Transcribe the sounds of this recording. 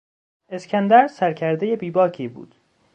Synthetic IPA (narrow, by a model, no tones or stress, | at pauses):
e̞skʰænd̪æɾsæɾcʰæɾd̪ejebiːbɒːkʰiːbṵːd̪̥